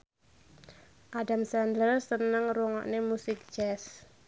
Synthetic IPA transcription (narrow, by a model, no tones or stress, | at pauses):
ʔadamsɛndlərsənəŋruŋɔ̰ʔnemusɪk̚d͡ʒɛs